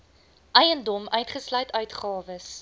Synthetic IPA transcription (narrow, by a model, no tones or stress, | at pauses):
ʔɛjəndɔmœɥtχəslœɥtœɥtχɑːvəs